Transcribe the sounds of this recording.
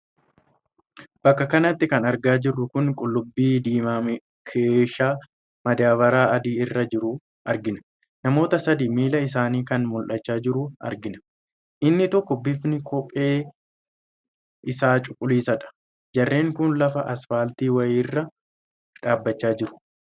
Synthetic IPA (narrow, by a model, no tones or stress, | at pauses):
b̥ɐkːɐkɐnɐt̪ːɪkɐnɐɾɡaːd͡ʒɪrːʊkʊŋkʼʊlːʊbːiːd̪iːmaːmɛ | kʰeːʃaː | mɐd̪aːbɐɾaːɐd̪iːɪrːɐd͡ʒɪɾʊ | ʔɐɾɡɪnɐ̥ | nɐmo̞ːt̪ɐsɐd̪iːmiːlɐɪs̬aːniːkɐnmʊlʔɐt͡ʃːaːd͡ʒɪɾʊʔɐ̰ɾɡɪnɐ̥ | ʔɪnːɪt̪ɔkːɔbɪfnɪkʰɔpʼːe̞ː | ɪsaːt͡ʃʼʊkʼːʊliːsɐᶑɐ̥ | d͡ʒɐrːe̞ːŋkʊnlɐfɐʔɐsfaːlt̪iːwɐjːrːɐ | ᶑaːbːɐt͡ʃːaːd͡ʒɪɾʊ̥